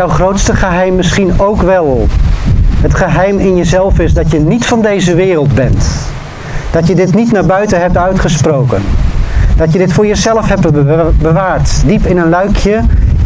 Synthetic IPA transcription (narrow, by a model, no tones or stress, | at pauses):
wχrowtstəχəɦɛjmːɪsχinowkʋɛlˠ | ɦətχəɦɛjmɪnjəzɛlˠfɪzdɑtjənitfɑndejzəʋɪːrəlˠdbɛnt | d̥ɑtjədɪtnitnaːɹbœɥtənɦɛp̚tœɥtχəsprowkə̰ndɑtjədɪtfʊːɹjəzɛləfɦɛpbəʋaːɹtdipɪnənlœɥkʰjə